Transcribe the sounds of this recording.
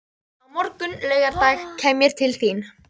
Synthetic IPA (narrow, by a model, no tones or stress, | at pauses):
awmɔɾkʏnlœːɥɣaɾt̪aːjxkʰɛːmjɛɾ̥t̪ʰɪlθin